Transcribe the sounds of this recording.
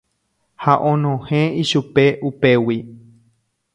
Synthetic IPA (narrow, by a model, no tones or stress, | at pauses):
haʔõnõhẽiʃupeʔupewi